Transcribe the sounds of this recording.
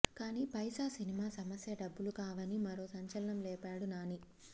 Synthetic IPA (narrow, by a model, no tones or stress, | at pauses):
kaːniːpɐjsaːsinimaːsɐmɐsjɐɖɐbːulukaːʋɐnimɐɾo̞ːsɐɲt͡ʃɐlɐnɐmlɛːpaːɽunaːni